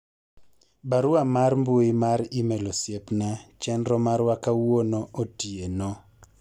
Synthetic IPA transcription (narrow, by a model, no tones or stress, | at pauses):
baɾʊamarmboimaɾimɛlosjepnat͡ʃɛndɾɔmaɾwakawonoʔotieno